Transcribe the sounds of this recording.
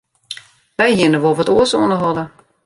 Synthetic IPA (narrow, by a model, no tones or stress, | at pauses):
ʋɛjhiənəʋolˠʋɔtoəsoənəɦɔdə